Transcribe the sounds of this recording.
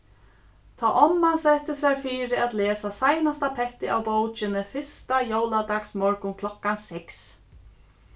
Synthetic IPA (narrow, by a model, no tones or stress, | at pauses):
t̪ʰaːʔɔmːansɛt̪ːɪsaɾfiːɾɪat̪leːsasajnast̪apʰɛht̪ɪawpoːwt͡ʃɪnɪfɪ̥st̪ajowlad̪aksmɔɹkʊnkʰlɔkːansɛks